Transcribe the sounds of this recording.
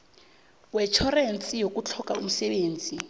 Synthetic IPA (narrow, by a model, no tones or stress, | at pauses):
wɛt͡ʃʰɔrent͡sʼijok̬ʼut͡ɬʰɔkaum̩sɛɓeːnd͡zʱi